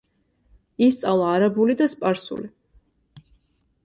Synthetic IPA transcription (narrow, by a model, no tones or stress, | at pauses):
ist̪sʼalˠaːɾabulid̪aspʼaɾsṵli